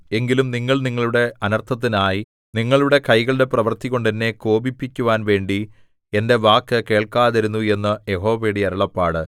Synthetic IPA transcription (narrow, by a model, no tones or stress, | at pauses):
e̞ŋɡilumniŋːɐɭniŋːɐɭuɽe̞ɐnɐrt̪ʰːɐt̪̬ːinaːji | niŋːɐɭuɽe̞kɐjɣɐɭɽe̞prɐʋɐrt̪iɣo̞ɳɖenːe̞ko̞ːbipːikʲːuʋaːnʋe̞ːɳɖi | e̞nde̞ʋaːkːɨke̞ːɭkaːðiɾunːue̞nːɐje̞ɦo̞ːʋeɽiɐɾɐɭɐpːaːɽɨ